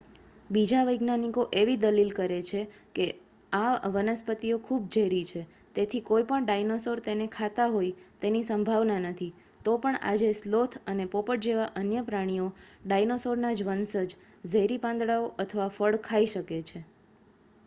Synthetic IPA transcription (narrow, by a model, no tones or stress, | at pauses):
bid͡ʒaʋəjɡnanikoʔeʋid̪əlilkəɾet͡ʃʰe | ke | aʋənəspət̪iokʰub̚d͡ʒəjɾit͡ʃʰe | t̪et̪ʰikoipəɳɖajnosoɾt̪enekʰat̪aɦojt̪enisəmbʱaʋnanət̪ʰi | t̪opəɳa̰d͡ʒeslot̪ʰənepopəʈd͡ʒeʋaʔənjəpɾaɽ̃ijoɖajnosoɾnad͡ʒʋənsəd͡ʒ | d͡ʒʱəjɾipãnd̪ɽaoʔət̪ʰəʋafəɽkʰaiʃəket͡ʃʰe